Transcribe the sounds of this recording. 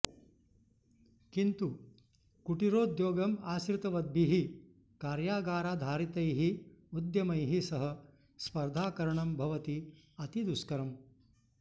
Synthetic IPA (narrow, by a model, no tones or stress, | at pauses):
kint̪u | kuʈiɾoːd̪joːɡɐmaːsɾt̪ɐʋɐd̪̚biɦi | kaːɾjaːɡaːɾaːd̪ʱaːɾit̪ɐjɦiud̪jɐmɐjɦisɐɦɐ | spɐɾd̪ʱaːkɐɾɐɳɐmbʱɐʋɐt̪iɐt̪id̪uskɐɾɐm